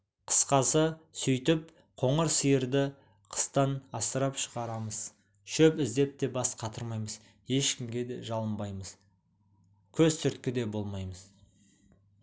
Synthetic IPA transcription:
qʰə̥sqɑsəsʏjt̪ɪp | qʰo̞ɴəɾsijəɾd̪ɪ | qʰə̥st̪ɑnɑsəɾɑpʃəʁɑɾɑməz̥ | ʃɵpɪzd̪e̞p̚t̪e̞bɑsqʰɑt̪əɾmɑjməz | je̞ʃkʲɪmɡʲe̞d̪eʒɑlˠəmbɑjməz̥ | kʲʰɵzsʰʏɾt̪kʲɪd̪e̞bo̞lˠmɑjməz

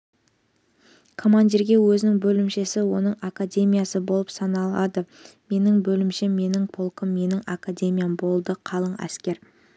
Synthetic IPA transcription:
kʰo̞mand̪ʲiɾɡʲe̞wɵzɪnɪŋbɵlɪmʃesɪwo̞nəɴakadʲe̞mʲijasəbo̞lˠəpsɑnɑlˠɑd̪əme̞nɪŋbɵlɪmʃemːe̞nɪŋpʰo̞lˠkəmːe̞nɪŋakadʲe̞mʲijambo̞lˠd̪əqʰɑlˠəɴæ̰skʲe̞ɾ

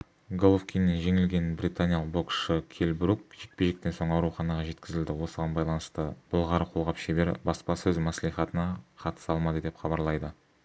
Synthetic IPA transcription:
ɡolˠofkʲijnːenʒe̞ŋɪlɡʲe̞nbɾit̪anʲijɑlˠəqbo̞kʃəkʲʰe̞lbɾuk̚ʒek̚peʒek̚t̪e̞nso̞ɴɑwɾuχɑnɑʁɑʒe̞t̪kʲɪzɪld̪ɪwo̞səʁɑnbɑjlˠɑnəst̪əb̥ʊlˠʁɑɾəqʰo̞lˠʁɑpʃebe̞ɾbɑspɑsɵzmæslijχɑt̪ənɑqʰɑt̪ə̥sɑlˠmɑd̪əd̪e̞pχɑbɑɾlˠɑjd̪ə

